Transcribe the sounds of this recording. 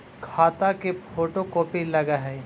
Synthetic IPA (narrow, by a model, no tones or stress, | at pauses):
kʰaːt̪akepʰoːʈokoːpilɐɡaɦɛ